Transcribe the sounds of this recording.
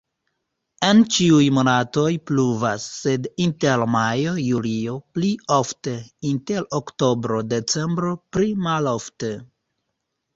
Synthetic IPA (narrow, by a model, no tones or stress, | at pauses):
e̞nt͡ʃiujmo̞nato̞jpluvasːe̞dintelmajo̞julio̞pliofte̞inte̞ɾokto̞bɾo̞de̞t͡se̞mbɾo̞pɾimalofte